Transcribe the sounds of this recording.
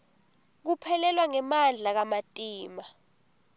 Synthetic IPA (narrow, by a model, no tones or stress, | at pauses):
k̬upʰɛlɛlwaŋɛmand͡ɮʱak̬amatʼiːma